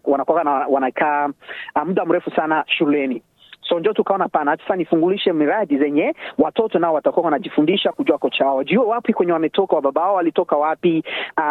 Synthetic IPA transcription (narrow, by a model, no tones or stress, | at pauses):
wanakakanawanakʰaamuɗam̩ɾɛfusanaʃulɛni | sɔnd͡ʒɔtukaɔnaapanaasḁsanifuŋɡuliʃɛmiɾaɗizɛɲɛwatɔtɔnaɔwatakuawanaʄifundiʃakuʄuakɔt͡ʃawawɔʄiuɛwapikwɛɲɛwamɛtɔkawaɓaɓawaɔwalitɔkawapia